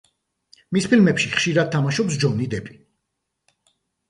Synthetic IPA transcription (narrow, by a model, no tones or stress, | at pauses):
mispʰilmɛpʃiχʃiɾad̪̚t̪ʰamaʃɔpsd͡ʒɔnid̪ɛpʼi̥